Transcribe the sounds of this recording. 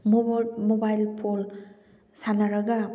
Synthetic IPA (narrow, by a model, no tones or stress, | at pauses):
momobajlpʰol | sanaɾaɡa